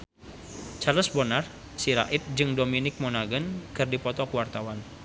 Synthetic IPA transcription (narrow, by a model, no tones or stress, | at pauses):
t͡ʃaləsbɔnar | siɾa̰ʔɪt̪̚d͡ʒɨŋdominɪk̚mɔnaɡənkɨrdipɔt̪ɔkəwart̪awan